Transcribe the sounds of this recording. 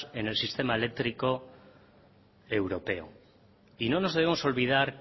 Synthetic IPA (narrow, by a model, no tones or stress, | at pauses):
e̞ne̞lsist̪e̞maele̞k̚t̪ɾiko | e̞wɾo̞pe̞o̰ | ino̞no̞zðeβemo̞so̞lβið̞aɾ